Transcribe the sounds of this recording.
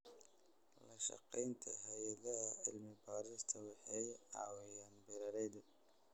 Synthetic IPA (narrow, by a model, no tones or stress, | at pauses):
lɐʃɑ̰qɛjnt̪ʰɐɦɛjɐðɐɦɐɪlmɪbaːɾɪst̪ʰɐwɑħɑjʕɑ̰ːwɪjaːnbɪɾɐɾɛjðɐ